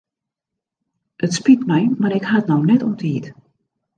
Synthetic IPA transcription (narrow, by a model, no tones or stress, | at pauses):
ʔətspitmɛjmaɾɪkɦatnownɛtotiːt